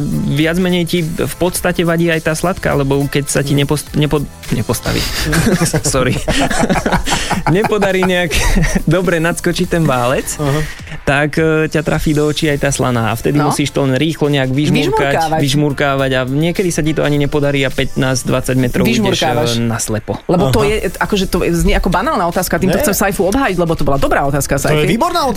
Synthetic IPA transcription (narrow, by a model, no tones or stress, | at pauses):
ʋɪad͡zmɛɲɛjcifpɔt̪st̪acɛʋaɟiːajt̪aːslat̪ka̰a̰lɛbɔkɛcsaciɲɛpɔsɲɛpɔ | ɲɛpɔst̪a̰ʋḭː | sɔɾi | ɲɛpɔd̪aɾiːɲɛaɡd̪ɔbɾɛnat̪skɔt͡ʃict̪ɛnʋaːlɛt͡s | t̪akːcat̪ɾafiːd̪ɔɔt͡ʃiːajt̪aːsla̰na̰ːa̰ft̪ɛd̪imusiːʃt̪ɔlɛnɾiːxlɔɲɛaɡʋiʒmiʒɾukɾaaaʋiʒmuɾkaːʋaɟaɲɪɛkɛd̪isacit̪ɔaɲiɲɛpɔd̪aɾiːapɛt̪naːzd̪ʋat͡saɟmɛt̪ɾɔʊiʒmɛuɾʃkaanaslɛpɔlɛbɔtt̪ɔjɛakɔʒɛt̪ɔɛzɲɛakɔbanaːlnaːɔt̪aːskat̪iːmt̪ɔxt͡sɛmsajfuɔbɦaːjiɟlɛbɔt̪ɔbɔlad̪ɔbɾaːɔt̪aːskasaɛiːbɔɾnaɔt̪